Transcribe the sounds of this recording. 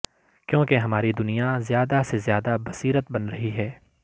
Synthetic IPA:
kjõːkeɦɐmaːɾid̪ʊnijazjaːd̪asezjaːd̪abɐsiːɾət̪̚bɐnɾɐɦiɦɛː

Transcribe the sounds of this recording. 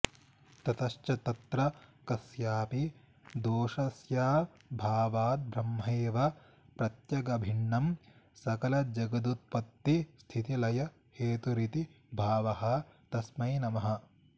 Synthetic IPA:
t̪ɐt̪ɐʃt͡ʃɐt̪ɐt̪ɾɐkɐsjaːpi | d̪oːʃɐsjaː | bʱaːʋaːt̪̚bʱɾɐmːɐeːʋɐ | pɾɐt̪jɐɡɐbʱiɳːɐmsɐkɐlɐd͡ʒɐɡɐd̪ut̪̚pɐt̪ːist̪ʰit̪ilɐjɐ | heːt̪uɾit̪i | bʱaːʋɐɦɐ̆t̪ɐsmɐjnɐmɐɦɐ̆

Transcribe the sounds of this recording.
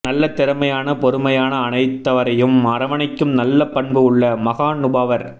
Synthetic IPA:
nɐlːɐt̪ːɪɾɐmɐjaːnɐpɔɾɯmɐjaːnɐːnɐɪt̪ːɐʋɐɾɐjɯmɐɾɐʋɐɳɐɪkːɯmnɐlːɐpːɐɳbɯɯɭːɐmɐɣaːnʊbaːʋɐɾ

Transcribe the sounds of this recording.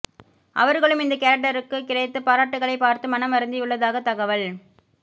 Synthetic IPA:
ʔɐ̰ʋɐɾɣɐɭɯmɪnd̪ɐkɐːɾɐk̚ʈːɐɾɯkːɯkɪrɐɪt̪ːɯpaːɾaːʈːɯɣɐɭɐɪpaːɾt̪ɯmɐnɐmɐɾɯnd̪ijɯɭːɐðaːɣɐt̪ːɐɣɐʋɐɭ

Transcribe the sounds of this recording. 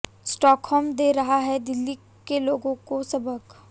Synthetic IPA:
sʈɔːkʰhɔːmd̪eːɾɐɦaɦɛd̪ɪlːi | keloːɡõkosɐbəɡ

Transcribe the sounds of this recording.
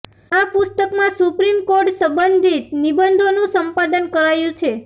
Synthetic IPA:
apʊst̪əkmãsupɾimkoɾʈsəmbənd̪ʱit̪nibənd̪ʱonũsəmpad̪ənkəɾajũt͡ʃʰe

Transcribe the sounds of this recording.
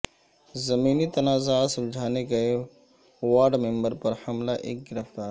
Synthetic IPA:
zɐmiːnit̪ɐnaːzasɐmd͡ʒʱaːneɡɐe | waːɾɖmẽmbəɾpɐɾhɐmlaʔḛːk̚ɡɪɾəft̪aːɾ

